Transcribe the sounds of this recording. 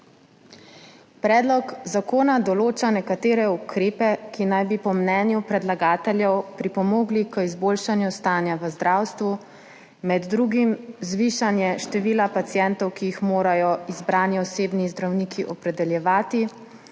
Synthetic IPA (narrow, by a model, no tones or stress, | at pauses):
pɾɛːd̪lɔkzakoːnad̪ɔloːt͡ʃanɛkat̪eːɾɛukɾeːpɛkinajbipɔmnɛːnjupɾɛd̪laɡaːt̪ɛljɛwpɾipɔmoːɡlikəizboːlʃanjust̪aːnjaʋəzd̪ɾawst̪ʋu | mɛd̪ːɾuɡimzʋiʃanjɛʃt̪ɛʋiːlapat̪sjɛnt̪ɔwkijixmoːɾajɔizbɾaːnjɛɔseːbnizd̪ɾawnikʰiʔɔpɾɛd̪ɛljɛʋaːt̪i